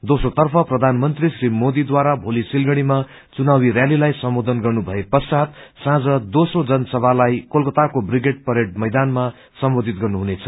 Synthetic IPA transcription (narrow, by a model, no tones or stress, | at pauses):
d̪osrot̪ʌrpʰʌprʌd̪ʱanmʌnt̪risrimod̪id̪waɾabʱolisilɡʌɽ̃ima | t͡sunawirjalilajsʌmbod̪ʱʌnɡʌrnubʱʌepʌrsat̪sãd͡zʌd̪osrod͡zʌnsʌbʱalajkolkʌt̪akobriɡeʈ̚pʌɾeʈ̚mʌjd̪anma | sʌmbod̪ʱit̪̚ɡʌrnuɦunet͡sʰʌ